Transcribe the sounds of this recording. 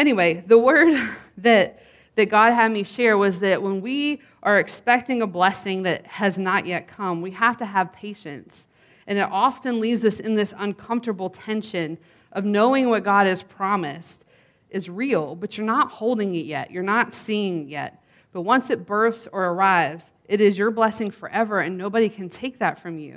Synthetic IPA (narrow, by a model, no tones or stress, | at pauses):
ɛñiweɪðəwɜ˞d̪̚ðɨt̪̚ | ðɨt̚ɡ̥ɑd̚ɨd̚miʃɛɹwʌzðɨʔ̚wə̃nwi | ʔə˞ɨkspɛk̚tɪ̃ŋəblɛsɪ̃ŋðɨt̚hɨznəʔjʔɛt̚kʰʌ̃mwihæftɨəv̥pʰeɪʃɨ̰̃nts | ʔɨ̃nɨɾʔɑfɨ̃nlivzʌsɨ̃nðɪsə̃nkʰʌ̃ɱftə˞bl̩ˠtʰɛ̃nʃɨ̃n | ʔʌvnoʊɪ̃ŋwʌt̚ɡ̥ɑɾɨz̥pʰɹ̥ɑmɨst | ʔɨzɹil̩ˠbʌt͡ʃə˞nət̚hoʊlˠdɪ̃ŋɪʔ̚jɛ̰ʔə˞nətsiɪ̃ŋjɛ̰t̚ | b̥ʌt̚wʌ̃nsɨt̚b̥ɜ˞θsə˞ə˞aɪvz̥ | ʔɨɾɪzjə˞blɛsɪ̃ŋfə̰˞ʔɛvə˞ɨ̃nːoʊbɨɾikʰɨ̃ntʰeɪk̚ðɨtfɹʌ̃mjʉ̰